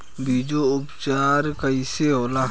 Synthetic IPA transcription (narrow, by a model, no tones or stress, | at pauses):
bʱiːd͡ʒoʊpt͡ʃaːɾkəiseɦoːla